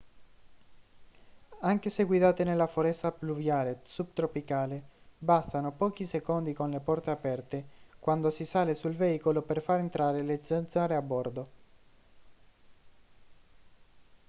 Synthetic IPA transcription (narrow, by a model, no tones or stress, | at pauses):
aŋkeseɡwid̪aːt̪enelːafoɾɛst̪apluvjaːlesub̚t̪ɾopikaːlebast̪anopɔːk̟isekond̪ikonlepɔrt̪eapɛrt̪ekwand̪osisaːlesulveiːkoloperfaɾent̪ɾaːɾelesent̪saːɾeabːɔrd̪o